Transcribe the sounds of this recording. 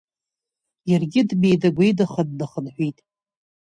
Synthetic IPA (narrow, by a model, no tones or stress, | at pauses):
jarɡʲɪdme̞jdaɡʷejdaχadnaχənħʷitʼ